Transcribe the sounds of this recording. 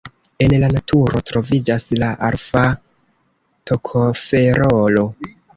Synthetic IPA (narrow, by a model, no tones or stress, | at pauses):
e̞nlanatʰuɾo̞tɾo̞vid͡ʒaslaʔaɾfa | tʰokʰofe̞ɾolo̞